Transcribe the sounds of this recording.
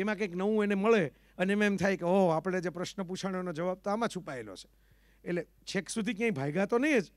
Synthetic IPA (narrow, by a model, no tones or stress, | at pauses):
emãkəjknəʋũeneməɭe | əneemãemt̪ʰajkeoapəɽ̃ed͡ʒepɾəʃnəp̬ut͡ʃʰaɽ̃onod͡ʒəʋab̚t̪oamãt͡ʃʰupaelo̰t͡ʃʰe̥ | etle | t͡ʃʰeksud̪ʱikjãĩbʱajɡãt̪onəĩed͡ʒ